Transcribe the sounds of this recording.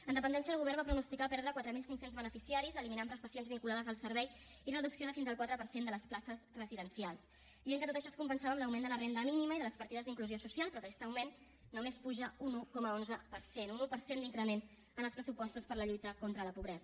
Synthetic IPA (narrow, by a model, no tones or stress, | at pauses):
ənd̪əpənd̪ɛnsiəðəlɣuβɛrβbapɾunust̪ikapɛɾðɾəkwat̪ɾəmilˠsiŋksenzβənəfisiaɾizəliminampɾəst̪əsionzβiŋkulaðəzəlˠsəɾβɛj | irəðuksioðəfinzəlˠkwat̪ɾəpəɾsend̪ələsplasəsrəziðənsialˠs | bieŋkət̪ot̪əʃɔskumpənsaβəːmləwmend̪ələrend̪əminiməiðələspəɾt̪iðəzðiŋkluziosusialˠpɾɔðəkɛ̥st̪əwmenː | umespuʒəunukɔməonzəpəɾsenunupəɾsend̪iŋkɾəmen | ənəlˠspɾəsupɔst̪uspəɾləʎujt̪əkont̪ɾələpuβɾɛzə